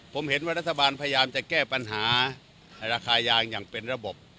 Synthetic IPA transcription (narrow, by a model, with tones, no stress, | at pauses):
pʰo˩˦mhe˩˦nwaː˥˩ɾa˦˥t̪ʰːa˧baː˧npʰa˧ja˧jaː˧mt͡ɕa˨˩kɛː˥˩pa˧nɦaː˩˦ | na˧jɾaː˧kʰaː˧jaː˧ŋjaː˨˩ŋpe˧nɾa˧bo˨˩p̚